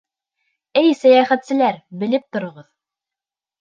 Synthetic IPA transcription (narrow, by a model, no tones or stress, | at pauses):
ɘjsæjæχæt̪sɘ̆læɾbɘ̆lɘp̚t̪ŏɾŏʁɤð